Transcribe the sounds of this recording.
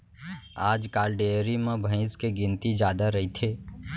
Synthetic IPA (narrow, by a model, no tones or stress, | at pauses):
aːd͡ʒkaːlɖeːɾimẽbʱə̃ɪ̃skeɡɪ̃nt̪id͡ʒaːd̪aɾɐɦit̪ʰeː